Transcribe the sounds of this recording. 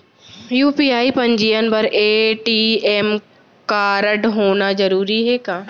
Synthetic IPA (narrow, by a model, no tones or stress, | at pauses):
juːpiːaːipɐ̃ɲd͡ʒiːənbɐɾeːʈieːm | kaːɾəɖɦoːnazɐɾuːɾiɦɛːkaː